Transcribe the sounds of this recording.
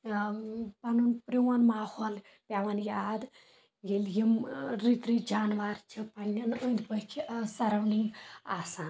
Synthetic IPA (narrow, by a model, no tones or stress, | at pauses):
pɐnunpɾewɐnmaːhol | pjaʋɐnjad̪ | ɡeljimɾit̪ɾid͡ʒanʋaɾt͡ʃʰipɐnːɐnənd̪pəkʰsɐɾɐwniŋasaːn